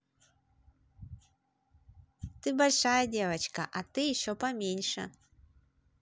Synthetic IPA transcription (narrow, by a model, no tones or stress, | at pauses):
t̪ɨbɐlʲʂajɐdʲevɐt͡ɕkɐ̰ʔat̪ɨjɪɕːopɐmʲenʲʂə̰